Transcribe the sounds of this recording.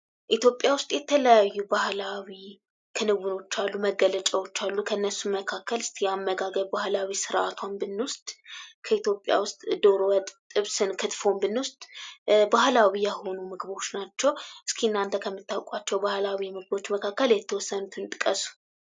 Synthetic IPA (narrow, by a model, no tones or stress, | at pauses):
ʔit̪ʰjo̞pʼjawʊst̪ʼjɛt̪ʰələjajːubahlawi | kʰɨnɨβuno̞t͡ʃːalːuməɡələt͡ʃʼəwo̞t͡ʃːalːukʰəɨnːəsːuməkʰakʰːəlɨst̪ʰjɛamːəɡaɡəɾbahlawisɨɾʔat̪ʰwanbɨnːwʊst̪ʼkʰəit̪jo̞pʼja̰wʊst̪ʼd̪o̞ɾowəd̪t̪ʼːɨβsɨnkʰɨt̪fo̞mbɨnwʊst̪ʼbahlawijɛho̞numɨɡbo̞t͡ʃːnat͡ʃːɛwʔɨskʰiɨnːant̪ʰəkʰəmːɨt̪ːawkʼat͡ʃːɛwbahlawimɨɡɨbo̞t͡ʃːməkʰakːəljɛt̪ʰːəwɔsːənut̪ʰɨnt̪ʼɨkʼəsu̥